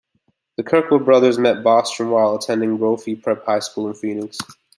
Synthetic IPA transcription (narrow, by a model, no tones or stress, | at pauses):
ðɨkʰɜ˞kl̩ˠbɹʌðə˞zmɛt̚b̥ɑstɹə̃nwaɪlˠətʰɛ̃ndɪ̃ŋbɹoʊfipʰɹ̥ɛp̚haɪskulˠə̃nfɹinɪks